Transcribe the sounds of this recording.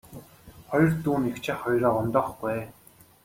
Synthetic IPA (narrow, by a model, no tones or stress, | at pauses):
χɔjɞ̆rt̪uːnixt͡ɕʰĕχɔjɾɔːʊnt̪ɔːχɡæeː